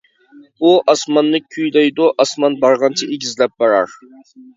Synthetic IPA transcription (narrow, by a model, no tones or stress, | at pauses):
uʔɑsmɑnːɨyjlɛjd̪uʔɑsmɑnbɑɾʁɑnt͡ʃʰɑʔeɡʲizlɛp̚bɑɾɑɾ